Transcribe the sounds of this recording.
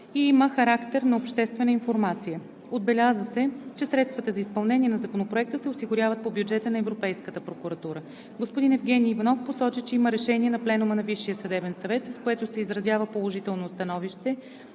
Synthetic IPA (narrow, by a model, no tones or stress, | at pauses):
iiməxɐɾakt̪ɛɾnɐopʃt̪ɛst̪vɛnəinfoɾmat̪sijə | od̪̚bɛlʲazəsɛt͡ʃɛsɾɛt̪st̪vət̪əzɐispɐlˠnɛnʲiɛnɐzɐkonopɾoɛk̚t̪əsɛosiɡʊɾjavət̪̚pobjud͡ʒɛt̪ənɐɛvɾopɛjskət̪əpɾokuɾɐt̪uɾə | ɡospʊd̪inɛvɡɛnʲiːvɐnɔfposɔt͡ʃit͡ʃɛiməɾɛʃɛniɛnɐplɛnumənɐviʃːijəsɐd̪ɛbɛnsɐvɛt̪sɐskoɛt̪ʊsɛizɾɐzjavəpolˠoʒit̪ɛlˠnost̪ɐnɔviʃt̪ɛ